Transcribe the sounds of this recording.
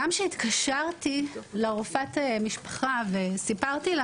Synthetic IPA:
amʃeit̪kaʃaʁt̪ileʁofat̪emiʃpḁχavesipaʁt̪ila

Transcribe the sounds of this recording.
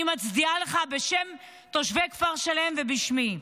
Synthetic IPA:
imat͡sd̪ialeχabe̞ʃe̞m | to̞ʃvekfaʁʃale̞mve̞biʃmi

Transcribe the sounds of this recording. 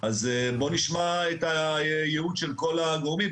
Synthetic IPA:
azbo̞niʃmaetajeudʃelko̞laɡoʁmim

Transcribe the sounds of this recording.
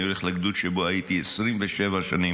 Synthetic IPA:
juleχlaɡd̪ut̪ʃeboajit̪iesʁimveʃevaʃa̰ni

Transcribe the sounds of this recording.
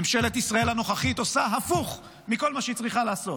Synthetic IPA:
mʃe̞le̞t̪isʁae̞lano̞χaχit̪osaɦafuχ | miko̞lmaʃeit͡sʁiχalaːso̞t

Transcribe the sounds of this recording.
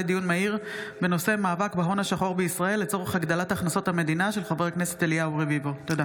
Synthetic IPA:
ed̪ijunmaiʁbe̞no̞se̞maːvakbeɦo̞naʃaχo̞ʁbeisʁae̞lːe̞t͡so̞ʁeχaɡd̪alataχnaso̞t̪hame̞d̪inaʃelχavekne̞se̞teliauʁevivot̪od̪a

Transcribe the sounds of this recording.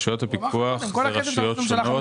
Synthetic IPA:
ʃujot̪hapikuaχeʁaʃujotʃono

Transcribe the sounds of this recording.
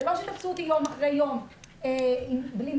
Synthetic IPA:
vaʃet̪afsut̪imomaχʁejjo̞m | eimblim

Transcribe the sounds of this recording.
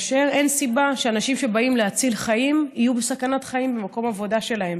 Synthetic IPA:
aʃeʁensibaʃeanaʃimʃe̞baimleat͡silχajimijubesakanat̪χaimbemako̞mavo̞daʃe̞lae̞m

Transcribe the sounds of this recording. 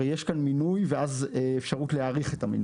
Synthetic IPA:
ejeʃkanminujveazefʃaʁutleaʁiχe̞tamin

